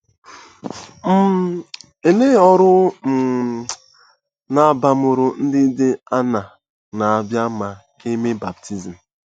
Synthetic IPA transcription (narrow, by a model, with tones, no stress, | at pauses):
m̩˦ | e˨le˦ɔ˦ɾʊ˦m̩˨ | na˨ba˨mʊ˨ɾʊ˦n̩˦dɪ˦dɪ˦a˦na˨ | na˨a˨bja˦ma˨ke˦me˦ba˨b̚tʰi˦zi˨m̩˨